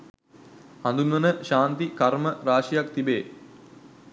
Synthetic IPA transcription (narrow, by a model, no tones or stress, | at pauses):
and̪unʋɐnəʃaːnt̪ikarməɾaːʂijakt̪ibeː